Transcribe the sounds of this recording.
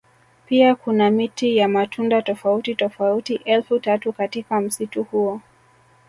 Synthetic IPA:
piakunamitijamatʰundatɔfautitɔfautiʔɛlfutatukatikam̩situhuɔ

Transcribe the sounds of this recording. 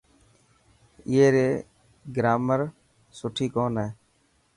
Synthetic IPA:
ɪeːɾeː | ɡɾaːməɾ | sʊʈʰiːkoːneː

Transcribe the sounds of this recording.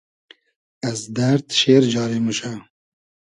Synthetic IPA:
ɐzd̪ɐɾt̪ʃeːɾd͡ʒɑːɾemuʃɐ

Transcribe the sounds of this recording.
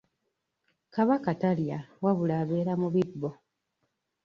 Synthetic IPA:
kaβakataljawaβulaβe̞ɾamuβidbo

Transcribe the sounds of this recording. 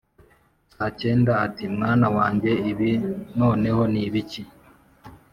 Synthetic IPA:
ace̞ːndaːtimŋaːnawaːɲɟe̞iβino̞ːne̞ho̞niβici

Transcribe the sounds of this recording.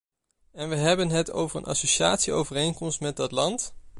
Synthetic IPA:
ɛnʋəɦɛbənɦətʰo̰wvəɹə̰nʔɑ̰soʃaːtsio̰wvərejnkɔmstmɛt̚dɑtlɑnt

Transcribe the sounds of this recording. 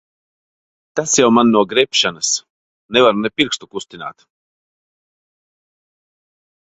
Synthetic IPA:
t̪asjawmanːuɔɡɾɛpʃanas | nɛvaɾunɛpʲiɾkst̪ukust̪ʲina̰ːt̪

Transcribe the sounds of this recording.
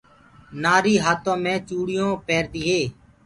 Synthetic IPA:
naːɾiːɦaːt̪õːmẽːt͡ʃuːɽɪjõːpɛːɾd̪iːɦeː

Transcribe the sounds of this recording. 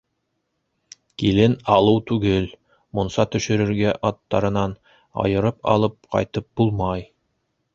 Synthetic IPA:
kilɘnɑlˠɤwt̪ʉɡɘl | monsɑt̪ɵ̆ʃɵ̆ɾɘ̆ɾɡæʔɑt̪ːɑɾɤ̆nɑn | ɑ̰jɤ̆ɾɤpɑ̰lˠɤp̚qɑ̰jt̪ɤp̚b̥ulˠmɑj

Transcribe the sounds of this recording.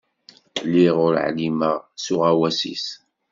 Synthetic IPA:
liʁʊɾʕlimasuʁæwæsḭs

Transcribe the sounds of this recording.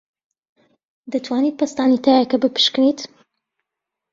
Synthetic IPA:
d̪ɐt̪ʰwaːniːt̪̚pʰɐst̪aːnit̪ʰaːjɐkɐbɨpɨ̥ʃknet̪

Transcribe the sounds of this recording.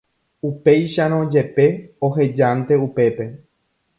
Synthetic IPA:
upe̞jʃaɾ̃õd͡ʒe̞peoɦe̞d͡ʒant̪e̞upe̞pe̞

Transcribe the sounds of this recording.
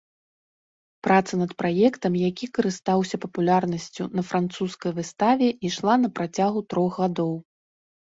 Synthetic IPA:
pɾat̪sɐnɐt̪pɾajɛkt̪ɐmjakʲikɐɾɨst̪awsʲɐpɐpulʲarnɐsʲt͡sʲunɐfɾant̪suskɐjvɨst̪avʲɛiʂlˠanɐpɾat͡sʲaɣut̪ɾɔɣɣad̪ɔw

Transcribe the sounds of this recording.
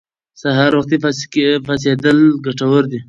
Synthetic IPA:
saɦaɾwaxt̪ifafased̪əlɡaʈawəɾd̪i

